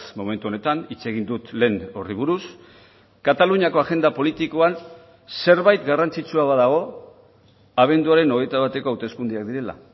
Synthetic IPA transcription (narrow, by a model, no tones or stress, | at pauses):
mome̞nt̪uone̞t̪anit͡se̞ɣ̞ind̪ut̪le̞ːno̞riβ̞uɾus | kat̪aluɲako̞aʝe̞nd̪apo̞lit̪ikoan | se̞ɾβajt̪ɡarant͡sit͡suaβaðaɣ̞o̞ | aβ̞e̞nd̪uaɾe̞no̞ɣ̞ejt̪aβat̪e̞ko̞awt̪e̞skund̪iakd̪iɾe̞la̰